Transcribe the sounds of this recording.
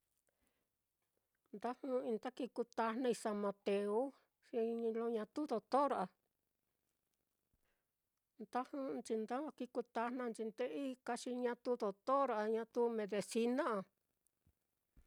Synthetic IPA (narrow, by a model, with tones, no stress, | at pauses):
nd̪a˦hũ˧ĩ˧nt̪a˦ki˧ku˧t̪a˧nã˧ĩ˧sa˧mã˧t̪e˧u˦ | ʂi˧ɲĩ˧lõ˧ɲã˧t̪u˦ðo˧t̪o˦ɾʔa˧ | nd̪a˦hũ˦˧nt͡ʃi˧nd̪a˦a˧ki˧ku˧t̪a˧nnã˧nt͡ʃi˧nd̪e˦ʔi˦ka˧ʃi˧ɲã˧t̪u˦ðo˧˨t̪o˦ɾa˧ɲã˧t̪u˧˦mẽ˧ðe˧si˧nã˦a˧